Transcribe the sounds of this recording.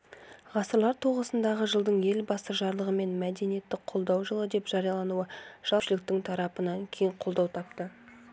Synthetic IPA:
ʁɑsəɾlˠɑɾt̪ʰoʁəsənd̪ɑʁəʒəlˠd̪əɴe̞lbɑsəʒɑɾlˠəʁəme̞nmæd̪e̞nije̞t̪ːɪqʰːo̞lˠd̪ɑwʒəlˠəd̪e̞pʒ̥ɑɾijɑlˠɑnuəʒ̥ɑʃɪlɪk̚t̪ɪŋt̪ʰɑɾɑpənɑŋkʲʰe̞jɪɴqʰo̞lˠd̪ɑwt̪ʰɑp̚t̪ə

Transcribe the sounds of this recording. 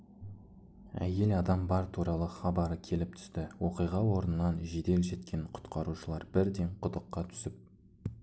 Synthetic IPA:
æ̰je̞lɑd̪ɑmbɑɾt̪ʰuɾɑlˠəχɑbɑɾəkʲʰe̞lɪp̚t̪ʰʏ̥st̪ɪwoqijʁɑwo̞ɾənənɑnʒed̪e̞lʒe̞t̪kʲʰe̞ɴqʰʊ̥t̪qɑɾuʃəlˠɑɾbɪɾd̪e̞ɴqʰʊd̪əqːɑt̪ʰʏ̥sɪp̚

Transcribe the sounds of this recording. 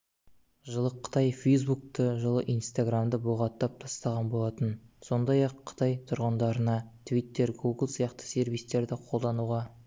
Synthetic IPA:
ʒəlˠəqʰːə̥t̪ɑjfejz̬buk̚t̪əʒəlˠəʔijnst̪aɡramd̪əbuʁɑt̪ːɑp̚t̪ʰɑst̪ɑʁɑnbo̞lˠɑt̪ənso̞nd̪ɑjɑqʰːə̥t̪ʰɑjt̪ʰʊɾʁənd̪ɑɾənɑt̪ʰvijt̪ːe̞ɾɡuɡlˠsijɑqt̪ə̥se̞ɾvijst̪e̞ɾd̪ɪqʰo̞lˠd̪ɑnuʁɑ

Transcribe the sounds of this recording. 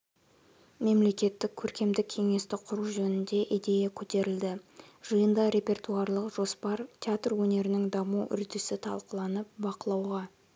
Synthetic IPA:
me̞mle̞kʲe̞t̪ːɪkʲʰːɵɾkʲe̞md̪ɪkʲʰe̞ŋe̞st̪ɪqʰʊɾuʒɵnɪnd̪e̞ʔijd̪e̞jakʲʰɵt̪e̞ɾɪld̪ɪʒ̥əjənd̪ɑɾe̞pʲe̞rt̪uɑɾlˠəqʒo̞spɑɾt̪ʲʰeat̪rwɵne̞ɾɪnɪŋd̪ɑmuʔʏ̰ɾd̪ɪsɪt̪ʰɑ̰lˠqəlˠɑnəp̚bɑqəlˠɑwʁɑ

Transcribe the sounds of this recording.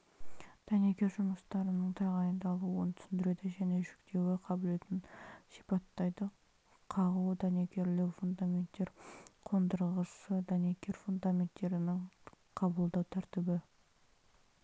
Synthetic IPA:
d̪̥ɑnekʲe̞ɾʒʊməst̪ɑɾənəɴt̪ʰɑʁɑjənd̪ɑlˠuwənt̪ʰʏ̥sɪnd̪ɪɾe̞d̪ɪʒæne̞ʒʏkt̪ʰe̞wɪqʰɑbʊle̞t̪ɪnsi̥jpɑt̪ːɑjd̪ə | qʰɑʁud̪ɑnekʲe̞ɾlɪwfund̪amʲe̞nt̪ːe̞ɾqʰo̞nd̪əɾəʁəsəd̪ɑnekʲe̞ɾfund̪amʲe̞nt̪ːe̞ɾɪnɪŋ | qʰɑbəlˠd̪ɑwt̪ʰæɾt̪ɪbɪ

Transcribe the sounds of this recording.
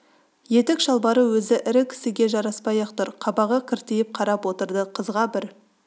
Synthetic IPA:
je̞t̪ɪkʒɑlˠbɑɾəwɵzɪʔɪɾɪkʲʰɪ̥sɪɡʲe̞ʒɑɾɑspɑjɑqt̪ʊɾqʰɑbɑʁəkʲʰɪɾt̪ejɪp̚qʰɑɾɑpwo̞t̪əɾd̪əqʰəzʁɑbɪɾ

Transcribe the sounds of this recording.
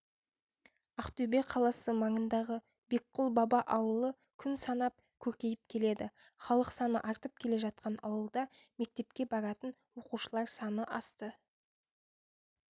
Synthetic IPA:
ɑqt̪ɵbeqʰɑlˠɑsəmɑɴənd̪ɑʁə | be̞k̚qːʊlˠbɑbɑʔɑwəlˠə | kʲʰʏnsɑnɑp̚ | kʲʰɵɾkʲe̞jɪpkʲʰe̞le̞d̪ɪ | χɑlˠəqsɑnə̰ʔɑɾt̪əp̚kʲʰe̞le̞ʒɑt̪̚qɑnɑ̰wəlˠd̪ɑme̞k̚t̪e̞pkʲe̞bɑɾɑt̪ənwo̞quʃəlˠɑɾsɑnəʔɑst̪ə

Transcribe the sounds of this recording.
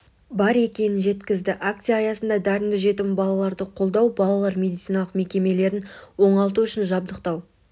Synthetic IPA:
bɑɾe̞kʲe̞nɪnʒe̞t̪kʲɪzd̪ɪʔak̚t̪sijaːjɑsənd̪ɑd̪æɾɪmɡʲɪʒe̞t̪ɪmbɑlˠɑlˠɑɾd̪əqʰo̞lˠd̪ɑwbɑlˠɑlˠɑɾmʲe̞d̪ijt̪sijnɑlˠəqme̞kʲe̞me̞le̞ɾɪnwo̞ɴɑlˠt̪uʏʃɪnʒɑb̚d̪əqt̪ɑw

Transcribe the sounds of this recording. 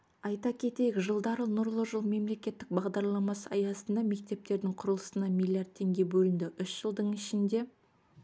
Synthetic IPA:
ɑjt̪ɑkʲʰe̞t̪e̞jɪkʒəlˠd̪ɑɾənʊɾlˠəʒəlˠme̞mle̞kʲe̞t̪ːɪk̚bɑʁd̪ɑɾlˠɑmɑsəɑjɑsənd̪ɑme̞k̚t̪e̞p̚t̪e̞ɾd̪ɪŋqʰʊɾəlˠəsənɑmʲilʲijard̪ʰe̞ŋɡʲe̞bɵlɪnd̪ɪʔʏʃʒ̥əlˠd̪əɴɪʃɪnd̪e̞

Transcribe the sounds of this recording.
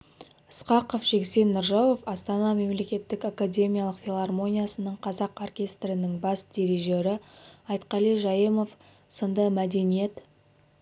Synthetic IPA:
əsqɑqəfʒ̥eksejnːʊɾʒɑw̪o̞fɑst̪ɑnɑme̞mle̞kʲe̞t̪ːɪkakadʲe̞mʲijalˠəqfʲilˠarmo̞nʲijasənəɴqʰɑzɑqorkʲe̞st̪rɪnɪŋbɑsd̪̥ʲe̞ɾeʒe̞ɾɪɑjt̪qɑlˠiʒɑjəmof | sənd̪əmæd̪e̞nije̞t̪

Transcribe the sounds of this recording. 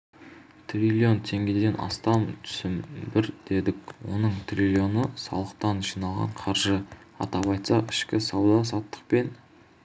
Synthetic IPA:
t̪ʰrʲilʲio̞nt̪ʰe̞ŋɡʲe̞d̪e̞nʔɑ̰st̪ɑmt̪ʰʏ̥sɪmbɪɾd̪̥e̞d̪ɪkʲwo̞̰nəɴt̪rʲilʲjo̞nəsɑ̰lˠəq̚t̪ɑnʒijnɑlˠʁɑ̰ɴqʰɑɾʒə | ɑ̰t̪ɑβɑjt̪sɑʔɪʃkʲɪsɑwd̪ɑsɑt̪ːə̥q̚pe̞n

